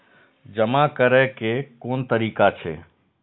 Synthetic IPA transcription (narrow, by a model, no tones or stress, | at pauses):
d͡ʒəmakəɾɛkekoːnt̪əɾiːkat͡ʃʰḛː